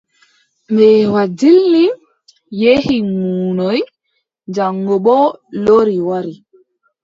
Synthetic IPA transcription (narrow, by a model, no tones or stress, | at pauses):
mɛːwad͡ʒilni | jehimunɔj | nd͡ʒaŋːɔɓɔloɾiwaɾi